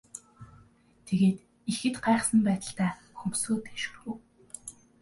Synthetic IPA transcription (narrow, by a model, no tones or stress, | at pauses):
t̪ʰeɣeːt̪ | ixɘ̆t̪ɢæːχsə̆mpæːt̪ə̆ɬt̪æː | xɵmsoːt̪eːʃŭw